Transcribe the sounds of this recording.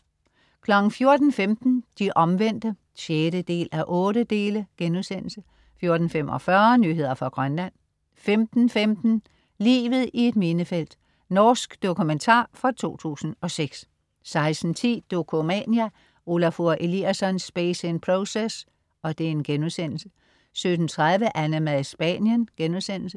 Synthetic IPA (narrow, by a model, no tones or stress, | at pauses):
kʰlɒ̽ɡ̥n̩fjo̝ɐd̥n̩femd̥n̩d̥iʔɒ̽mʋen̰d̥ə | ɕjeɾəd̥e̝̰ːlʔæʔɔ̽ːɾəd̥e̝ːləɡ̥enuðˠsen̰l̩sə | fjo̝ɐd̥n̩femʔɒfɶɐnyɦe̝ð̞̰ˠɐfɒɡ̥ʁɶnlæn̰ | femd̥n̩femd̥n̩ | lḭːʋð̩ˠie̝d̥me̝nəfel̰d̥ | nɒːsɡ̥d̥okʰument͡sʰɑ̰̈ːfɒt͡sʰo̝̰ːt͡sʰṵːsn̩ɒ̽seɡ̥s | sɑ̈ɪsn̩t͡sʰḭːd̥o̝kʰo̝mɛnjæ | o̝læfuɐʔe̝liæsɒ̽nsb̥esenpʰʁoses | ɒ̽d̥e̝e̝nɡ̥enuðˠsen̰l̩sə | sød̥n̩t͡sʰʁaðˠʋəʔænəmæðˠsb̥ɛ̰njənɡ̥enuðˠsen̰l̩sə